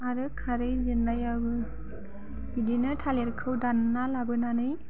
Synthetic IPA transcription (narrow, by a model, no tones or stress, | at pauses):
maɾɯkʰːaɾɯjzinlajabɯ | bidinɯtʰaleɾkʰɯwdanːalabɯnanɯj